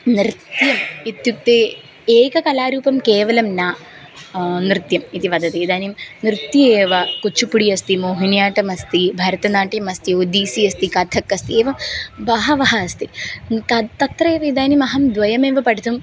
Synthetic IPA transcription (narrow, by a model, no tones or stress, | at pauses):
nɾɨt̪jɐmit̪juk̚t̪eː | eːkɐkɐlaːɾuːpɐmkeːʋɐlɐmnaː | nɾɨt̪jɐmit̪iʋɐd̪ɐt̪eːd̪aːnimnɾɨt̪jieːʋɐkut͡ʃʰːupuɽijɐst̪imoːɦinjaːʈɐmɐst̪ibʱaːɾɐt̪ɐnaːʈjɐmɐst̪iod̪iːsiɐst̪ikɐd̪ʱʰɐkːɐst̪ieːʋɐmʋɐɦɐʋɐɦɐːst̪it̪ɐt̪ɐt̪rɐeːʋɐid̪aːnimɐɦɐmd̪ʋɐjɐmeːʋɐpɐɽit̪um